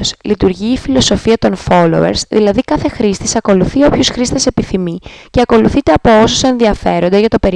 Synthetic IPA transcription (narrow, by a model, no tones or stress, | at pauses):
slit̪uɾʝiːfilo̞so̞fiɐt̪o̞nfo̞lo̞̰ḛɾsðilɐðikɐθe̞xɾist̪isɐko̞luθio̞pçusxɾist̪e̞se̞piθimiceɐko̞luθit̪e̞ɐpoosose̞nðiɐfe̞ɾo̞nd̪ezʝɐt̪o̞pe̞ɾ